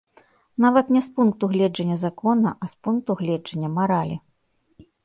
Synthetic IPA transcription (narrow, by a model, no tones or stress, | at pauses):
navɐt̪nʲɛspunk̚t̪uɣlʲɛd͡ʐɐnʲːɐzakɔnɐʔɐspunk̚t̪uɣlʲɛd͡ʐɐnʲːɐmaɾalʲi